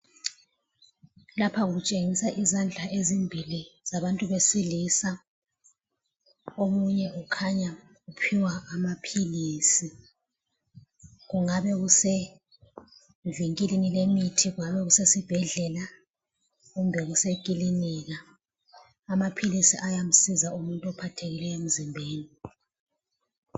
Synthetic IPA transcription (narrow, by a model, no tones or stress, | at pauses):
lapʰaɣut͡ʃʼeŋisaʔizand͡ɮʱaʔezimbʱiliz̥aβantʼuβesilisa | omuɲɛukʰaɲa | ɣupʰiwaːmapʰiliːsi | ɣuŋaβɛɣuse | viŋkʼilinilemitʰiɣuŋaβɛɣusesib̥ʱɛɮɛla | ɣumbʱɛɣusekʼiliniɣaː | mapʰilisiʔajam̩sizaumuntʼuɔpʰatʰeɣilɛem̩zimbʱeːni